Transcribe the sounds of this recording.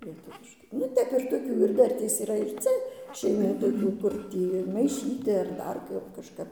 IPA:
lʲiɛˈtʊʋʲɪʃkɐɪ nʊ ˈtʲɛp ɪr toːˈkʲuː ɪr ˈdɐrʲtʲeːs iːˈrɐ ɪr ˈt͡sʲɛ ʃʲɛɪˈmuː toːˈkʲuː kʊr ˈtʲiː mɐɪˈʃʲiːtʲɪ ɐr ˈdɐr ˈkɐp kɐʃˈkɐp

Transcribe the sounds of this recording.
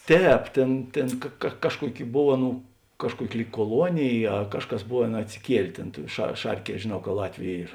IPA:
ˈtʲɛːp ˈtʲeːn ˈtʲeːn kɐ kɐ ˈkɑːʃkuɔˌkʲɪ ˈboːw ˈɑːˌnuː ˈkɑːʃkuɔˌkʲɪ ˈlʲiːk kuɔˈlˠuɔnʲeːj ɐ ˈkɑːʃˌkɐs ˈboːˌʋʲeːn ɐtʲsʲɪˈkʲiɛlʲeː ˈtʲeːn tuɔ ʃɐ ˈʃɐrʲˌkʲiɛ ʒʲeːˈnɐʊ kɐ ˈlˠɑːtʲʋʲʊ ˈiːr

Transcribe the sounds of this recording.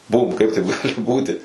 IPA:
ˈbuːm ˈkɐɪp tɐɪp ˈɡɑːlʲɪ ˈbuːtʲɪ

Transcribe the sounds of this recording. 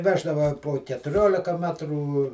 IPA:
ˈʋʲæːʒdɐʋɐ poː kʲɛtʊˈrʲoːlʲɪkɐ ˈmʲæːtruː

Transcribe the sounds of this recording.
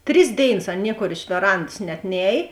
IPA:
ˈtʲrʲɪs ˈdʲeːɪˌnɐs ˈɐn ˈnʲiɛkoːr ɪʃ ʋʲɛˈrɐnts nʲɛt ˈnʲɛːj

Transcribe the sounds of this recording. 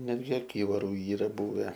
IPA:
ˈnʲæːdʲɡʲɪ ɐˈkʲiːʋɐrʊ ˈiːrɐ ˈbʊʋʲɛ

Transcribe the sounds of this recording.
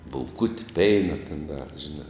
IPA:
bʊlˠˈkʊtʲɪ ˈpʲɛɪnɐ tʲɛn dɐ ʒʲɪˈnɑː

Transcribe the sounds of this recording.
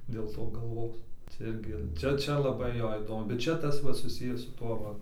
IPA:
dʲeːlˠ ˈtoː ɡɐlˠˈʋoːs t͡sʲɛ ˈɪrʲɡʲɪ ˈt͡ʃʲɛ ˈt͡ʃʲɛ lˠɐˈbɐɪ ˈjoː ˈiːdoːmʊ bʲɛt ˈt͡ʃʲɛ ˈtɐs ˈʋɐ sʊˈsʲɪjæː sʊ ˈtuɔ ˈʋɐ

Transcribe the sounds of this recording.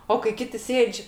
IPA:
oː kɐɪ ˈkʲɪtʲɪ ˈsʲeːt͡ʃʲ

